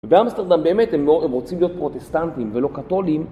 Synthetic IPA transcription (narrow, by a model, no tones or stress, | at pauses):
vebeamst̪eʁd̪ambeːme̞t̪hemoemʁo̞t͡simlijo̞t̪̚pʁo̞t̪est̪ant̪imvelo̞kat̪o̞lim